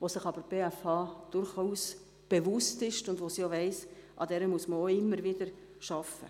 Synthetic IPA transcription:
ʋosɪχɑb̥əɾb̥eːæfɑːd̥ʊɾχuːs | b̥evʊstɪʃtʊndʋosioʋɛɪsʔɑ̰d̥ɛɾəmuəsməoɪmːəɾvɪd̥əɾ | ʃɑfə̰

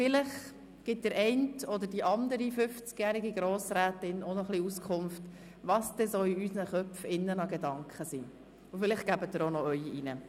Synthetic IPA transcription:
fɪlɪχ | ɡ̥ɪt̚d̥̪əɾʔɛɪntɔd̪əɾdiʔɑnd̪əɾifʏft͡skjæːɾiɡiɡɾɔːsɾæːtɪnɔnɔχliuskʰχʊmft | ʋɑsd̥̪ɛsɔiysnəχœpfɪnːənɑɡedɑŋkχəsḭː | ʊfɪlɪχɡ̥æbətdəɾonɔœʏiinə

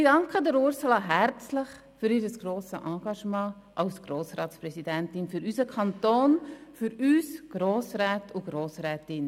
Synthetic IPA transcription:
ɪd̥ɑŋkʰədəɾʊɾsolɑɦæɾt͡slɪχ | fyɾiːɾəsɡ̥ɾoːsəʔɑ̃ːɡ̥ɑʃmɑ̃ː | ʔɑlsɡ̥roːsɾɑːtsprɛsidæntɪnfyɾysəkʰɑntoːnfyɾyːsɡ̥ɾoːsɾɛːtʰʊɡ̥ɾoːsɾɛːtɪn

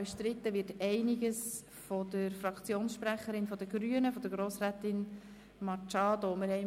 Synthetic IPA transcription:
ʃtɾɪtːəʋɪtɛɪnɪɡəs | fɔd̥̪əɾfrɑkt͡sjoːnsʃpɾæχəɾɪnfɔd̥əɡɾyənəfɔd̥̪əɾɡɾoːsræːt̪ɪn | mɑt͡ʃɑːdoməɾhɛɪ

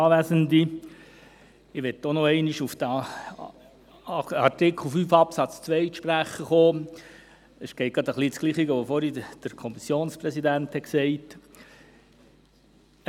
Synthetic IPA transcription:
ɑːʋæsənd̪i | ɪʋɛtonoɛɪniʃufd̥̪ | ɑɾtɪkʰl̩fyːfɑpsɑt͡st͡sʋɛɪʃpɾæχəχoː | əsɡ̥ɛɪt̚ɡɑd̪əχliːsɡ̥liːχiɡəʋofɔɾid̥əɾkʰɔmisjoːnsprɛsid̪ænt̪hɛksɛɪt

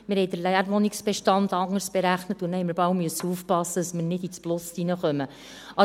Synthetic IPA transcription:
mɪɾhɛɪjdəɾlæjæɾʋɔniksb̥eʃtɑnd̪ɑŋːəɾsb̥eɾæχnət̪unhɛɪməɾbɑwmyəsəuːfpɑsːədəsməɾnɪdit͡splʊsinəχœmə | ɑ

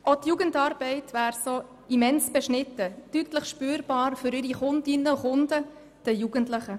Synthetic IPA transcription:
otjuːɡəntɑːɾb̥ɛɪtʋæːɾsoː | imɛnsb̥ɛʃnɪtːəd̥ytləχʃpyːɾb̥ɑːɾfʏɾɪɾiχʊndɪnːəuχʊnd̥ə | d̥ɛjuɡ̥əntləχə

